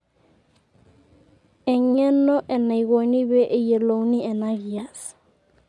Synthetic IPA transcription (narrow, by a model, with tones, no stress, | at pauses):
ɛ˨ɲɛ˦nɔ˦ʔɛ˨na˨i˨ɣo˨ni˦βe˦ʔe˨je˨lo˨wni˦ɛ˨na˦ɣi˨a˨s